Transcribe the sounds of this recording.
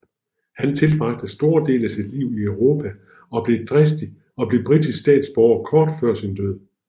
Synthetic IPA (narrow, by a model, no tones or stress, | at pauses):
hænt͡sʰe̝lb̥ʁɑ̈ɡ̥̚d̥əsd̥o̝ːɐd̥e̝̰ːlæsid̥liʊ̰iœʊʁo̝ːpʰæ | ɒ̽b̥le̝d̥ʁɛsd̥i | ɒ̽b̥le̝b̥ʁid̥issd̥ɛ̰ːd̥sb̥ɒʊɐkʰɒːd̥fɶɐ̰sind̥øð̞̰ˠ